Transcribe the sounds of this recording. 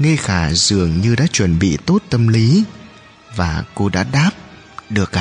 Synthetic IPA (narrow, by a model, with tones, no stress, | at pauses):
ŋə˧jxaː˧˩zɨ˨˩əŋɲɨ˧ɗa̰ː˧˥t͡ɕwə˨˩nɓḭ˧˨t̪o˦˥t̚t̪ə˧mli˨˦ | vaː˨˩ko˧ɗa̰ː˧˥ɗaː˦˥p̚ | ɗɨ˨˩ək̚ː